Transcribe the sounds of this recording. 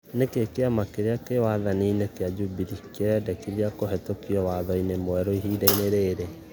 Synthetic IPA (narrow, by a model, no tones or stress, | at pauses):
nekekeamakeɾeakewaðaniːnekead͡ʒubiɾikeɾɛdɛkiðiakoɦɛtokiɔwaðɔinemoɛɾoiɦiːdaineɾeːɾe